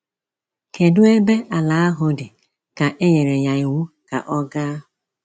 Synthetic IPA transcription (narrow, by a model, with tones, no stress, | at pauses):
ke˨dʊ˦e˦be˦ʔa˨la˨˦a˦ɦʊ˨dɪ˨ | ka˨ʔe˦ɲe˨ɾe˨ɲa˨i˨wu˦ | ka̰˨ʔɔ˦ɡa˦ʊ˨